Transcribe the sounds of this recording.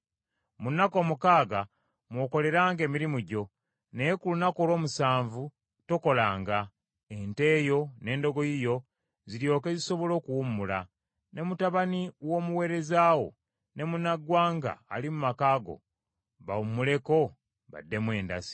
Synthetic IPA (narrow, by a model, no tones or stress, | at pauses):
munːako̞ːmukaːɡa | mwo̞ːko̞le̞ɾaːŋɡe̞ːmiɾimuɟo̞ | ne̞jekulunako̞lo̞ːmusaːɱvu | toko̞laːŋɡa | ente̞ːjo̞ne̞ːndo̞ɡo̞jijo̞ | ziɾjo̞ːke̞ziso̞βo̞lo̞ːkuwumula | ne̞mutaβaniwo̞ːmuwe̞ːɾe̞zaːwo̞̰ | ne̞munaɡwaːŋɡa̰ːlimumakaːɡo̞̰ | βawumːule̞ko̞ | βa̰dːe̞mwe̞ːnda̰si̥